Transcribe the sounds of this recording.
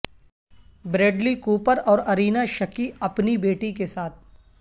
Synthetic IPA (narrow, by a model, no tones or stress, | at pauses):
bɾeːɖlikuːpəɾɔːɾɐɾiːnaʃɐkiɐpnibeːʈikesaːt̪̚ʰ